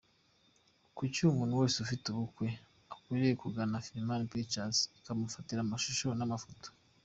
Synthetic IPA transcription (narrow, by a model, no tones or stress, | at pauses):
kucumuːnuweːseufituβukwe̞ | akwiɾejekuɡanafiɾimanpet͡ʃazikamufatiɾamaʃuʃo̞namafoto̥